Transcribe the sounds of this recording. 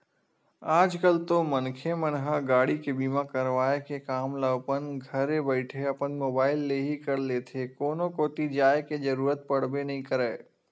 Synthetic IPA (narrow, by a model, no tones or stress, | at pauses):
aːd͡ʒkəlt̪omənkʰemənɦaɡaːɽikebiːmakəɾʋaːekekaːmləʋpənɡʱɐɾebəɪʈʰeɐpənmoːbaːɪlːeɦikɐɾleːt̪ʰekoːnokoːt̪id͡ʒaːeked͡ʒəɾuːɾət̪̚pɐɽ̤benɐɦĩkəɾɛː